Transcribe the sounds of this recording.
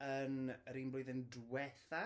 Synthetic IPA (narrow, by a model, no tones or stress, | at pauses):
ənəɾiːnbloɨðəndwɛθa